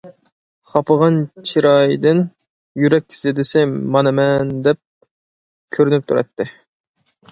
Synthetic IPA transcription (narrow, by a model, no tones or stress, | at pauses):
χɑpʰəʁɑnt͡ʃʰiɾɑjd̪ɪn | jyɾɛkʲzɪd̪ɪsɪmɑnɨmɛnd̪ɛp̚ | kʲʰøɾynyp̚t̪ʰuɾɑ̰t̪ʰːɪ